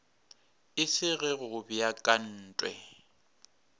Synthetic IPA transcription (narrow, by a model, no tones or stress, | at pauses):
ɪsɪɣɪɣʊbɪjakʼan̩ːtʼwɛ̰